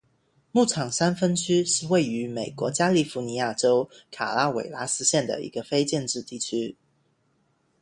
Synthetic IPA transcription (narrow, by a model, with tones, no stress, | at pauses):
mu˥˩ʈ͡ʂʰɑ˨˩ŋsa˥nfə˥nt͡ɕʰy˥ʂɻ̩˥˧we˥˩ɪy˧˥me˨˩ɪkwɔ˧˥t͡ɕja˥li˥˩fu˧˥ni˧˥ja˥˩ʈ͡ʂo˥ʊkʰa˨˩la˥wḛ˨˩ɪla˧˥sɹ̩˥ɕjɛ˥˩nd̪ə̰˩ḭ˧˥ɡə˧fe˥ɪt͡ɕjɛ˥˧nʈ͡ʂɻ̩˥˧t̪i˥˩t͡ɕʰy˥